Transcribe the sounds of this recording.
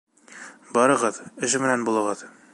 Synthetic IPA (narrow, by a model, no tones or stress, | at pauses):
bɒɾɤ̆ʁɤðɘ̆ʃɘmɘ̆nænbulˠɤ̆ʁɤð